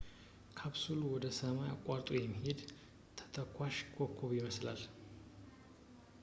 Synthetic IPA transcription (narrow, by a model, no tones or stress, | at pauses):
kʰaβsulwɔd̪əsəmaja̰kʼaɾt̪ʼujɛmːihe̞d̪ | t̪ʰə̥t̪ʰəkʰʷːaʃkʼʰokʰːoβjɪməsla̰l